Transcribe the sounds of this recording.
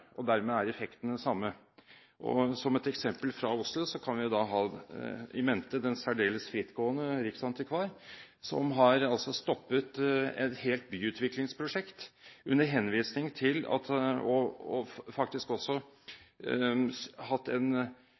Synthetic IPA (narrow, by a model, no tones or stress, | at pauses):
ʔɔd̪æɾmeæɾɛfɛkt̪nɛsɑmːə | ʔɔ̰sɔmɛt̪ɛksɛmpəlfɾɑʊslʊsɔkʰɑnʋɪd̪ɑɦɑː | ɪ̰mɛnt̪əd̪ɛnsæɖeːləsfɾɪt̪ːɡoːənəɾɪksɑnt̪ɪkʰʋɑːɾ | sɔ̰mɦɑɾɑlsɔst̪ɔpːət̪ɛ̰t̪heːlt̪̚byːʉːt̪ʋɪklɪŋspʰɾʊʂɛkt̪ʉnːəɾɦɛnʋiːsnɪŋt̪ʰɪlɑ̰t̪ɔɔfɑkt̪ɪskɔsːɔ | hɑt̪ːɛn